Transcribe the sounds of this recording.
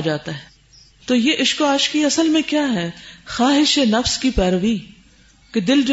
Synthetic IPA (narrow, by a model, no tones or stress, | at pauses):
d͡ʒaːt̪aɦɛː | t̪oːjeːʔɪʃkoaːʃkiɐsəlmẽkjaːɦɛːxaːɦɪʃenɐfskipɛːɾəʋi | ked̪ɪld͡ʒo